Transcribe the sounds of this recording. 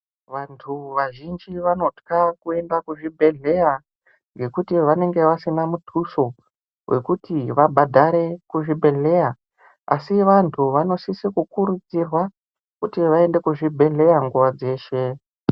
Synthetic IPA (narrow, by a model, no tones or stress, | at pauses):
ʋantʰuʋaʒind͡ʒiʋano̞tkakue̞ndakuʐibʱe̞ɮe̞ja | ŋɡe̞kutiʋane̞ŋɡe̞ʋasinamutʰuso̞ | wʔe̞̰kutiʋabʱadʱaɾe̞kuʐibʱe̞ɮe̞ja | a̰siʋantʰuʋano̞sisikukuɾud͡zirwa | kutiʋae̞nde̞kuʐibʱe̞ɮe̞jaŋɡuʋad͡ze̞ːʃe̞